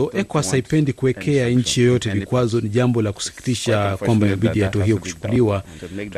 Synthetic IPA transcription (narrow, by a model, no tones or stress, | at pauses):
ɔʔɛkwasaipɛndikuɛkʰɛaɲ̩t͡ʃijɔjɔtɛvikwazɔniʄambɔlaku̥si̥ki̥tiʃakwambaaɓiɗijatɔaɦijɔku̥t͡ʃu̥kuliwa